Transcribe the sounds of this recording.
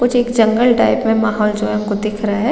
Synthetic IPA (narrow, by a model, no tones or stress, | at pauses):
kʊt͡ʃʰeːkd͡ʒɐ̃ŋɡəlʈaːɪpmẽmaːɦɔːld͡ʒoɦɛɦɐmkod̪ɪkʰɾɐɦaɦɛ